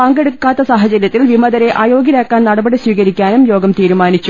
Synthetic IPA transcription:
pɐŋɡeɽukːaːt̪ːɐsaːɦɐt͡ɕɐɾjɐt̪ːilʋimɐðɐɾe̞ʔaːjo̞ːɡjiɾaːkːaːnnɐɽɐbɐɽiswiːkɐɾikʲːaːnumjo̞ːɡɐmt̪iːɾumaːnit͡ɕːu

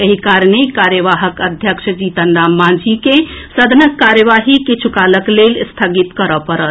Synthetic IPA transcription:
eɦikaɾnekaɾjəʋaɦəkəd̪ʱjəkʃəd͡ʒit̪ənd̪amːãd͡ʒikesəd̪ʱənəkːaɾjəʋaɦikit͡ʃʰukaləklelst̪ʰəɡit̪kəɾəpəɾət̪

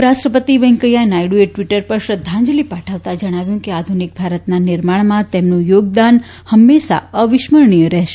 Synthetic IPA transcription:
ɾaʃʈɾəpət̪iʋɛ̃ŋkəjanajɽueʈʋiʈəɾpəɾʃɾəd̪ʱːãɲd͡ʒlipaʈʰaʋt̪ad͡ʒəɽ̃aʋjũkead̪ʱunik̚bʱaɾət̪nanɪɾmaɳmãt̪emnũjoɡ̚d̪an | həmːeʃa̰əʋɪʃməɾɳijəɾɛɦʃe

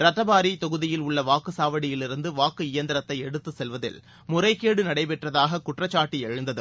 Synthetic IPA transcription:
ɾɐt̪ːɐbaːɾit̪ɔɣɯðɪjɪlʊɭːɐʋaːkɯsaːʋɐɽɪjɪlɪɾɯnd̪ɯʋaːkɯɪjɐnd̪ɐɾɐt̪ːɐɪɛɽɯt̪ːɯsɛlʋɐðɪ̰l | mʊrɐɪkːeːɽɯnɐɽɐɪpɛʈrɐðaːɣɐkʊʈrɐt͡ʃːaːʈːiɛɻɯnd̪ɐðɯ

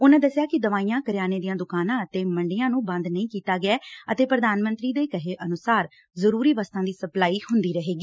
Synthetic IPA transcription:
ʊnãːd̪əsɪjaːkɪd̪əʋaːijãːkəɾɪjaːneːd̪ijãːd̪ʊkaːnãːət̪eːməɳɖɪjãːnũːbə̃nd̪nəĩːkiːt̪aːɡɪɛːət̪eːpɾəd̪aːnmə̃nt̪ɾiːd̪eːkəɦeːʔənʊsaːɾ | zəɾuːɾiːʋaːst̪ãːd̪iːsəplaːiːhʊnd̪iːɾəɦeːɡiː

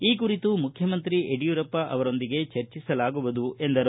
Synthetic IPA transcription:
iːk̬uɾit̪umukʰjɐmɐnt̪ɾieɖijuɾɐpːɐʔɐʋɐɾo̞nd̪iɡe̞t͡ʃɐɾt͡ʃisɐlaːɡuʋɐd̪uʔe̞nd̪ɐɾ

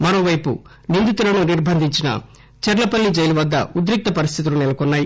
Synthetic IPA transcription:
mɐɾo̞ːʋɐjpṵ | nind̪it̪ulɐnuniɾbʱɐnd̪ʱiɲt͡ʃinɐ̰ | t͡ʃɛɾɐlɐpɐlːid͡ʒɐjluʋɐd̪ːɐ̰ud̪ɾik̚t̪ɐpɐɾist̪ʰit̪̬ulunɛlɐkɔnːaːji

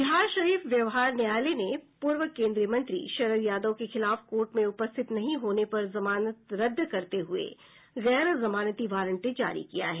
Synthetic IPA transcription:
bɪɦaːɾʃɐɾiːfʋjɐʋɦaːɾnɪjaːlenepuːɾʋəkẽːnd̪ɾijəmɐ̃nt̪ɾḭʃɐɾəɾjaːd̪əkexɪlaːfkoːɾʈmẽʊpəst̪ʰɪt̪nɐɦĩɦoːnepɐɾzɐmaːnət̪ɾɐd̪ʱːkɐɾt̪eɦʊḛ | ɣɛːɾzɐmaːnət̪iʋaːɾə̃ɳʈẽd͡ʒa̰ːɾḭkija̰ɦɛː

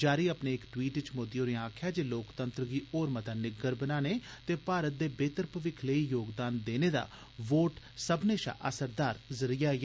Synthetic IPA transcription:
d͡ʒaːɾiːəpneːɪkʈwiːʈt͡ʃmoːd̪ijoːɾeãːkʰjaːd͡ʒeːloːkt̪ənt̪ɾɡiːoːɾmət̪aːnɪɡəɾbənaːneːt̪eːpaːɾət̪̚d̪eːbeːt̪əɾpəʋɪkʰləiːjoːɡd̪aːnd̪eːneːd̪a̰ː | ʋoːʈ | səbneːʃa̰ːʔəsəɾd̪aːɾzəɾijaː

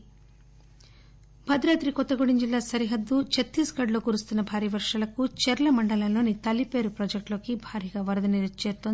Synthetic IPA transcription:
bʱɐd̪ɾaːt̪ɾikɔt̪ːɐɡoɽind͡ʒilːaːsɐɾiɦɐd̪ːut͡ʃet̪ːiːsɡɐɖloːkuɾust̪unːɐbʱaːɾijɐʋɐɾʂɐlɐkut͡ʃɛɾɐlɐmɐɳɖɐlɐlo̞ːnit̪ɐlːipe̞ːɾupɾoːd͡ʒek̚ʈloːkibʱaːɾijɐɡaːʋɐɾɐd̪ɐniɾɐt͡ʃːeːt̪ːon

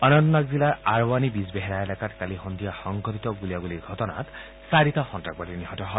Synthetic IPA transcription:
ɔnɔnt̪ɔnak̚zilaɹaɹwanibisbeɦɛɾaɛlakatkalixɔnd̪ʱijaxɔŋɡʰɔtit̪ɔɡuliabuliɹɡʱɔtɔna̰t | saɹit̪axɔntak̚batiniɦɔtɔɦɔ

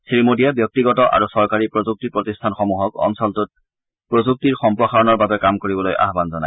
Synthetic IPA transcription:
siɹmodijabjɔk̚tiɡɔtɔʔa̰ɹusɔɹkaɹipɹozuk̚tipɹotistʰanxɔmuɦɔkɔ̰nsɔltut̚ | pɹozuk̚tiɹxɔmpɹɔxaɹɔnɔɹbabɛkamkoɹibɔlojʔa̰ɦbanzɔna̰j

